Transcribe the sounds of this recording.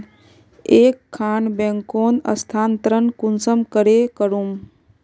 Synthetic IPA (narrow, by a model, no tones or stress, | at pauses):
eːkʰːaːnbẽŋkoːnə̰st̪ʰaːnt̪əɾənkunsəmkəɾekəɾum